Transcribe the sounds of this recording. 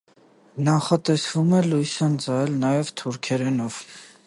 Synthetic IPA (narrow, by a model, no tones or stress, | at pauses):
nɑχɑt̪ɛsvumɛlujsɑnd͡zɑɛlnɑjɛvt̪ʰuɾkʰɛɾɛnɔv